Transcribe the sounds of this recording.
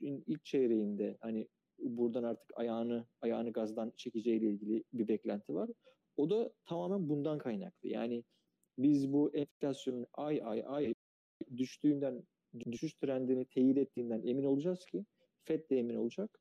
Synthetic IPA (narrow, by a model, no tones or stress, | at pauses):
inilʲc̚t͡ʃʰeɾe̞jind̪ɛhanɪ | buɾd̪anaɾt̪ʰɯ̥kʰa̰jaːnɯajaːnɯɡazd̪ˠant͡ʃʰe̞cid͡ʒɛjilʲɛilʲɟilʲɪbibɛclʲænt̪ʰivaɾ | o̞d̪at̪ʰamaːmænbund̪ankʰajna̰klˠɯ̰ja̰ːnɪ | bizbuʔɛnfi̥lʲasjo̞nʔaja̰jajaj | d̪yʃt̪ʰyːnd̪æn | d̪yʃyʃt̪ʰyɾænd̪iːnit̪ʰejid̪ɛt̪ʰːiːnd̪ænʔe̞mino̞lˠud͡ʒaz̥cʰi | fɛt̪lʲɛemino̞lˠud͡ʒak